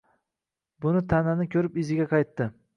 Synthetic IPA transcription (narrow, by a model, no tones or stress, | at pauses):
bʊnɪt̪ʰananɪkʲʰɵɾɪpɪzɪɡʲaqʰɑjt̪ːɪ